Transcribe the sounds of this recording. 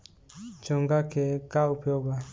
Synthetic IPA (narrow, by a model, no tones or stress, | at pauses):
d͡ʒɔŋɡakekaupjɔɡa